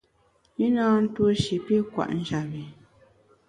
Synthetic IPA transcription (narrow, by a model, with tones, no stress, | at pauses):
ji˦naː˦n̩˦twu˦o˦ʃi˨pi˦kwa̰˨ʔn̩˦d͡ʒa˨bi˨